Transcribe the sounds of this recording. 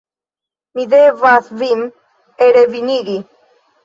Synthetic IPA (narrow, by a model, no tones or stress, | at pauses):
miðevaθvim | eɾeviniɡi